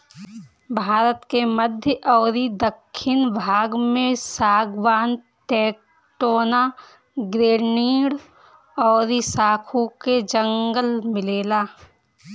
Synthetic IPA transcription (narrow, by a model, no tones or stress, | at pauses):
bʱaːɾət̪keməd̪ʱjəʔɔːɾid̪əkʰːɪnbʱaːɡmẽsaːɡwaːn | ʈeːk | ʈoːna | ɡɾeːɾniːɽ | ɔːɾisaːkʰuked͡ʒə̃ŋɡəlmɪleːlaː